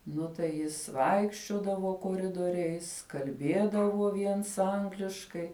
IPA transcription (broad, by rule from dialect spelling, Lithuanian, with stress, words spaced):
ˈnʊ tɐɪ ˈjɪs ˈʋɐɪkʃʲt͡ʃʲoːdɐʋoː koːˈrʲɪdoːrʲɛɪs kɐlʲˈbʲeːdɐʋoː ˈʋʲiɛns ˈɐŋɡlʲɪʃkɐɪ